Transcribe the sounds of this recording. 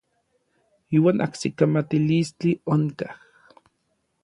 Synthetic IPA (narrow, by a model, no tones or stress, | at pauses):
iːwaːnʔa̰hsikamat̪ilist͡ɬioŋkah